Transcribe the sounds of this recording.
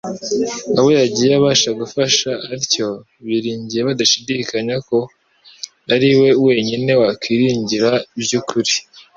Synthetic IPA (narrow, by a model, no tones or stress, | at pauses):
awo̞jaɟijaβaːʃaɡufaʃaʔːɾico̞ | βiɾiːɲɟije̞βadaʃidikaɲako̞ | aɾiwe̞we̞ːɲine̞wakʰwiːɾiːɲɟiɾabjukʰuɾi